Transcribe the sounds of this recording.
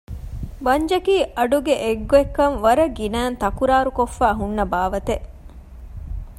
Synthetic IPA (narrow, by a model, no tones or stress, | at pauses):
bɐɲd͡ʒɐkiːʔɐɖuɡeʔeɡːoekːɐnʋɐɾɐɡinæːnt̪ɐkuɾaːɾukofːaːɦunːɐbaːʋɐt̪eʔ